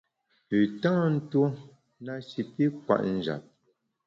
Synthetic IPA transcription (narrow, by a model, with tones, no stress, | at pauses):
pʉ˨tã˦˨n̩˦two˦ | na˦ʃi˨pi˦kwa̰˨ʔn̩˦˨d͡ʒa̰˨p̚